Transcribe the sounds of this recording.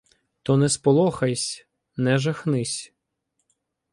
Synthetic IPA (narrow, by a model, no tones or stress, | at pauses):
t̪ɔnɛspɔlˠɔxɐjsʲ | nɛʒɐxnɪsʲ